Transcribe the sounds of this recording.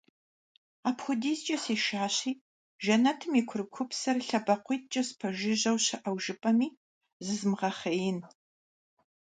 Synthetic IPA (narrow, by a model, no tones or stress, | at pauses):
aːpxʷʊdiːst͡ʃʼɐsiːʃaːɕiː | ʒɐnɐtʰɨmikʷʰʊrɨkʷʰʊpsɐrɬɐbɐqʷiːt̚ʰt͡ʃʼɐspʰɐʒɪʑɐwɕɐʔɐwʒɪpʼɐmiː | zɨzmʁɐχɐjɪn